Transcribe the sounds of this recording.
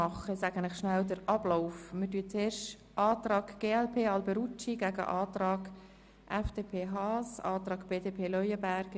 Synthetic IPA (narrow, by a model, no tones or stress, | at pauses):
ɑχəsæːɡ̥ənɪχʃnældəɾɑb̥loʊfmətyːət͡seːɾʃ | ʔɑːtrɑːɡɡ̥eːɛlpʰeːɑlbɛɾut͡ʃiɡ̥æɡə̰ʔɑːtɾɑːɡ | ʔɛfd̥eːpʰeːɦɑːsɑːt̪rɑːɡ̥b̥eːdeːpʰeːlœʏəbæɾɡ̥